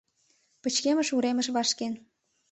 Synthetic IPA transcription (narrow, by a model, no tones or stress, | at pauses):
pə̆t͡ɕkemə̆ʃuɾemə̆ʃβɑʃken